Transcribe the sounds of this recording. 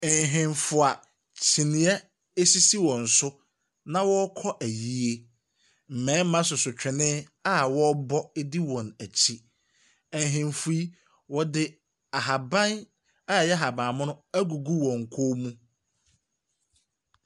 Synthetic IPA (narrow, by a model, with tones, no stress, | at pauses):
ɛ˨ɦɪ̃˨nfʊ˨a˨ | t͡ɕʰi˨nɪ̃˨ɛ˦ | e˦si˦si˦wɔ̃˨n̩˨sʊ˦ | nã˦wɔ˦kʰɔ˦ʔæ˨ji˦e˦ | m̩˨mɛ̃ː˨˦mã˦s̬ʊ˨sʊ˨t͡ɕᶣɪ˨nɪ̃˦ | a˦˨wɔ˦bɔ˦e˦di˦wɔ̃˨næ˨t͡ɕʰi˦ | ɛ˨ɦɪ̃˨mfu˨˦i˦ | wɔ˦dɪ˦ | a˨ɦa˨bã˦n | a˦˨jɛ˦ɦa˨bã˨mʊ̃˦nʊ̃˦æ˦ɡu˨ɡu˦wɔ̃˨ŋ̩˨kʰo˦mũ˦